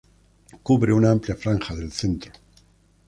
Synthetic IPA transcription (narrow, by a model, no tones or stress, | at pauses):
kuβɾeunaampljafɾaŋxaðe̞lθe̞nt̪ɾo